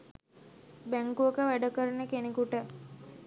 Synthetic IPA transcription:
bæŋkuəkəʋæɖəkəɾənəkenekuʈə

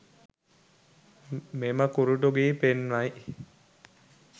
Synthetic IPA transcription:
meməkuɾuʈuɡiːpenʋaj

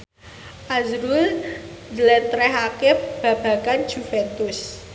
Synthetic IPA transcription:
ʔazɾul | d̪lɛnt̪ɾɛɦakɪfb̥a̤b̥a̤kand͡ʒufɛnt̪ʊs

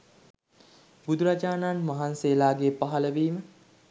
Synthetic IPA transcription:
bud̪uɾad͡ʒaːnaːnmaɦanseːlaːɡeːpaɦaləʋiːmə

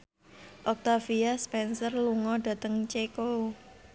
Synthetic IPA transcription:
ʔɔk̚t̪afiaspɛnsərluŋɔɖ̥ä̤t̪əŋt͡ʃekou

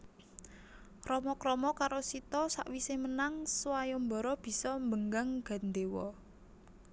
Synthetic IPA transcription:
rɔmɔkɾɔmɔkaɾosit̪ɔsa̰ʔwisemənaŋswajɔmbɔ̤ɾɔb̥i̤sɔmbəŋɡaŋɡ̥a̤nd̪ewɔ

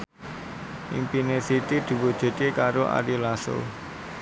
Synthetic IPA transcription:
ʔḭmpinesit̪id̪̥ṳwud̥ʒ̥e̤t͡ʃekaɾoʔa̰ɾilaso̰

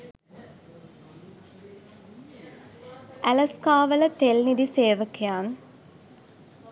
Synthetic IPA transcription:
æləskaːʋələt̪elnid̪iseːʋəkʰejaːn

